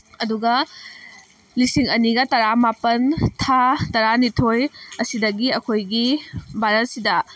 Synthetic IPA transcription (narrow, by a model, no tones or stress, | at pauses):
ɐduɡɐ | lisiŋɐniɡɐtɐɾamapɐntʰatɐɾanitʰojɐsidɐɡiɐkʰojɡibʱaɾɐt̚sidɐ